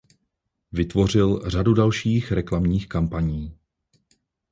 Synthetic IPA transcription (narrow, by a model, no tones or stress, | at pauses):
vɪt̪vo̞r̝ɪlr̝adudalʃiːxɾɛklamɲiːxkampaɲiː